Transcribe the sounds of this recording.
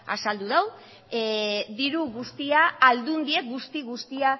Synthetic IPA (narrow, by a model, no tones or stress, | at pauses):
a̰sald̪uðaw | ðiɾuɣust̪iaːld̪und̪ie̞k̚ɡust̪iɣust̪ia